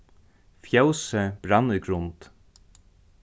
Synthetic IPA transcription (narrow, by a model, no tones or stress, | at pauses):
fjawsəb̥ɾanːʏɡɾʊnt̪